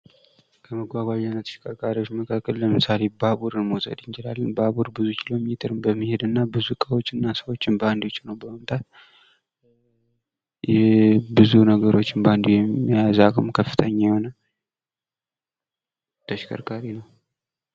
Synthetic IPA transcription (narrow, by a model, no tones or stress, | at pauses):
kʰəməɡʷaɡʷajanːət̪ʰə̥ʃkʼəɾkʼaɾiwot͡ʃːməkʰakʼːəlːləmɨsale̞baβuɾɨnmosə̰d̪ɨnt͡ʃɪlalːənbaβuɾbɨzukʰilo̞met̪ʰʼəɾɨmbəmːihe̞d̪ɨnːabɨzukʼəwo̞t͡ʃːɨnːasəwo̞t͡ʃːɪnband̪o̞t͡ʃːnəwbəməmt̪ʰat̪̚ | bɨzunəɡəɾo̞t͡ʃːɪnband̪ujɛmːiazaɡmkʰəfːɨt̪ʰəɲːajho̞na | t̪ʰəʃkʰʼə̰ɾkʼaɾinəw